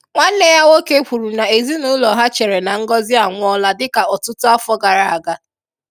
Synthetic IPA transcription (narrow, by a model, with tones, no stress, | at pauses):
ŋʷa˦n̩˦ne˦ja˦wo˦ke˦ɸu˨ɾu˨na˨e˨zi˦nu˦lɔ˨ɦa˦t͡ʃe˨ɾe˨na˨ŋ̩˦ɡɔ˦zɪ˦a˨ŋʷ˦ɔ˦la˦dɪ˦ka˨ɔ˨tʊ˦tʊ˦a˦fɔ˦ɡa˨ɾa˨a˨ɡa˦